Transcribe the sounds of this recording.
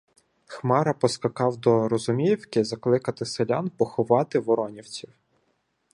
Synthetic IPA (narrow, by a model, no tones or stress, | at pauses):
xmɑɾɐpɔskɐkɑwd̪ɔɾɔzʊmʲiwkɪzɐklˠɪkɐt̪ɪselʲɑnpɔxʊʋɑt̪ɪʋɔɾɔnʲiwt͡sʲiw